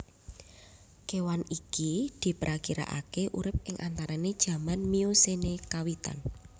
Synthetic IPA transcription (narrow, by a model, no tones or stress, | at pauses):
kewanikid̪̥i̤pɾʔakiɾa̰ʔa̰keʔuɾɪp̚ɪŋʔant̪aɾaned̥ʒ̥ä̤manmiosenekawit̪a̰n